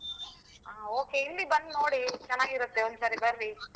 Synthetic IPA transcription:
aːoːke̞ilːibɐnd̪noːɽit͡ʃɐnːaːɡiɾut̪ːeond̪usɐɾibɐɾʋi

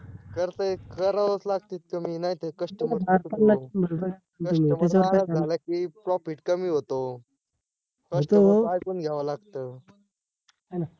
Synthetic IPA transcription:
kəɾt̪əekəɾaʋət͡slaɡt̪iːt̪̚kəminaɦit̪ekəʂʈəmdaɾpəɾnabʱəɾobəɾa | ət̪umitesaɾaaalakipɾɔpiʈkəmiːɦot̪o | kət̪oajpənɡʱjaʋalaɡt̪ə | ana

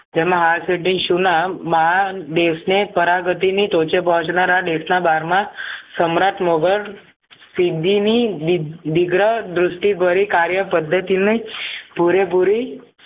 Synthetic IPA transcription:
d͡ʒ̪ɛmãɦalseʈiʃunamaaɖesnepəɾaɡət̪init̪ot͡ʃepɔɦɔ̃t͡ʃnaɾaɖesnabaɾmãsəmɾaʈʰmoɡəɾ | sid̪ʱːini | d̪ɪɡɾəd̪ɾʊsʈibəɾikaɾjəpəd̪ʱːət̪inipuɾepuɾi

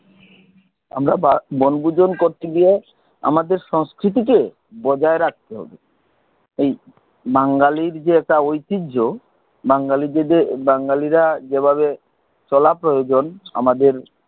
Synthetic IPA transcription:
a̰mɾababɔnbud͡ʑonkoɾt̪eɡie | a̰mad̪eɾʃɔŋskɾit̪̬ike | bɔd͡ʑaeɾak̚ʰt̪eɦɔ̰be | ej | baŋɡaliɾd͡ʑeɛk̚ʈaojt̪id͡ʑʱo | baŋɡalieebaŋɡaliɾad͡ʑebʱabe | t͡ɕɔlapɾojod͡ʑona̰mad̪eɾ

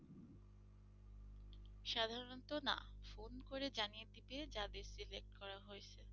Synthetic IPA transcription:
ʃad̪ʱaɾont̪ona̰fonkoɾed͡ʑanijet̪iped͡ʑad̪esilek̚ʈkɔɾaɦoet͡ɕʰe

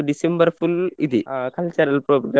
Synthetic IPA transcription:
ɖisembɐɾfulid̪ikɐlt͡ʃɐɾɐlpɾopɡɾa

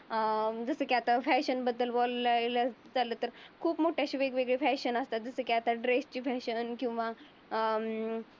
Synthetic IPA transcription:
əd͡zəsəːkaat̪afɛɕənbəd̪ːəlʋɔllaeləd͡zalət̪əɾkʰuːpmoʈʰjaɕiʋeɡʋeɡɭefɛɕənəst̪at̪̚d͡zəsəːkaat̪aɖɾest͡ɕiːfɛɕənkĩw̃ʋa

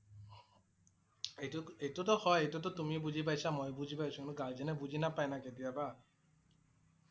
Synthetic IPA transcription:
ejtʊtɔhɔjejtɔtɔtumibuzip̬ajsamojbuzipajsũnuɡalzɛnɛbuzinapajnaketijaba

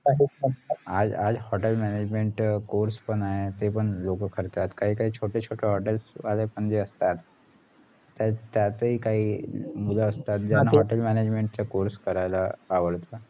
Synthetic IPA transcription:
kaɦiməad͡zad͡zhɔʈelmɛned͡ʑmeɳʈkoɾspəɳaɦet̪epəɳlokəkʰəɾt̪at̪kaɦiːkaɦiːt͡ɕʰoʈet͡ɕʰoʈʰeɦɔʈelsalepəɳd͡zeəst̪at̪ː | at̪jat̪əiːkaɦiːmulaəst̪at̪̚d͡ʑanaɦɔʈelmæned͡ʑmeɳʈt͡səkoɾskəɾajlaːʋəɭt̪ə

